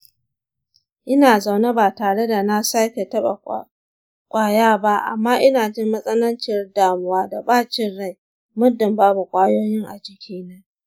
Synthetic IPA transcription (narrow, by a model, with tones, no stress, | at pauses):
ʔɪ˦naː˨za˨wna˦baː˨taː˨ɽe˦da˨na˦sa˦kʲe˨tɐ˦ɓa̰˨ | kʷʼaː˦jaː˦ba˦ʔa̰˨mːaː˦ʔɪ˦naː˨d͡ʒɪ˦mːɐ˦sʼɐ˦nɐ˦nt͡ʃɪ˦rdaː˨mʊ˦waː˦da˨baː˦t͡ʃɪ˦nɽa˦˨j | mʊ˦dɪ˨mbaː˦bu˨kʷʼaː˦joː˦jɪ˦ŋʔa̰˨d͡ʒɪ˨kʲʰiː˦na˦